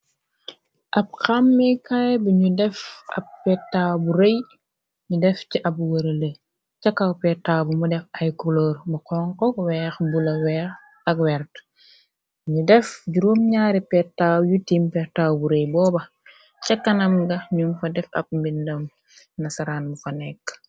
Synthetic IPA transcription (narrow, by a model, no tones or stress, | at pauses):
ʔɐp̚xamːikajbuɲudɛfɐ̰pːɛtːabuɾej | ɲudɛfciʔɐbwɐɾɐle | t͡ʃɐkːapɛtːaːbumudɛfɐjkuloːɾbɐkɔŋkɔwɛːxbulɐwɛx | ɐkwɛɾt | ɲudɛfɟuɾomɲaːɾipɛtːaːjutimpɛtawbuɾejbɔːbɐ | t͡ʃɐkːɐnɐmɡɐɲunfɐdɛfɐ̰p̚mbindɐm | nɐsɐɾaːnmufɐnɛkː